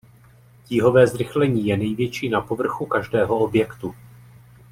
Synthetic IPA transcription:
ciɦo̞vɛːzɾɪxlɛɲiːjɛnɛjvjɛt͡ʃiːnapo̞vr̩xukaʒdɛːɦo̞objɛkt̪u

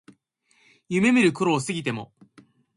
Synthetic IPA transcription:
jɯme̞miɾɯ̟koɾo̞ːsɨɡʲit̪e̞mo̞

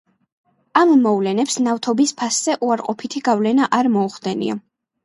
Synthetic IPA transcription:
amːɔvlɛnɛpsnaft̪ʰɔbispʰasz̥ɛʔuaɾqʼɔpʰit̪ʰiɡavlɛnaʔaɾmɔuχd̪ɛnḭa̰

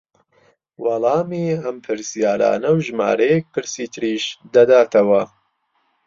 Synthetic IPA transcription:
wɑlˠɑːmiɐmpʰɨɾsijaːɾa̰ːnɐwʒma̰ːɾɐjek̚pʰɨɾsiːt̪ʰɨɾiːʃd̪ɐd̪aːt̪ʰɐwɐ

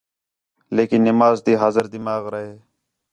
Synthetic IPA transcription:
leːkɪnːɪmaːzt̪iːɦaːzəɾd̪ɪmaːɣɾəɦeː

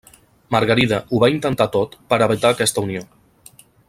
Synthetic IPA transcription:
məɾɣəɾiðəʔuβaint̪ənt̪at̪ot̪pəɾəβit̪aːkɛst̪əunio

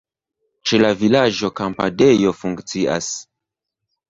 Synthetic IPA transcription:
t͡ʃe̞lavilad͡ʒo̞kampa̰de̞jo̞fuŋkt͡sia̰s

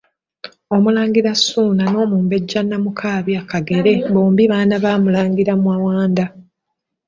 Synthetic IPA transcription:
o̞mulaːŋɡiɾasuːnano̞ːmuːmbe̞ɟːanːamukʰaːβjakaɡe̞ɾe̞βoːmbiβaːnaβaːmulaːŋɡiɾamwawaːnd̪a

